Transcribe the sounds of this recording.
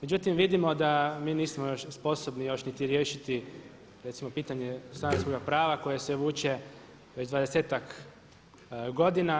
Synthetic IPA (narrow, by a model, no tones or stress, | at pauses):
med͡ʒut̪imʋid̪imo̞d̪amiːniːsmojo̞ʃspo̞sobnijo̞ʃnit̪iɾje̞ːʃit̪i | ɾet̪simo̞piːt̪aɲe̞st̪anasko̞ɡapɾaːʋako̞je̞seʋuːt͡ʃe̞ | ʋed͡ʑd̪ʋad̪e̞se̞ːt̪ak | ɡo̞d̪ina